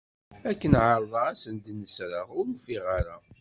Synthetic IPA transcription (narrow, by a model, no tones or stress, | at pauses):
ækːənʕəɾˤðˤɑæsənd̪nːəsɾəʁʊɾmfiʁaɾa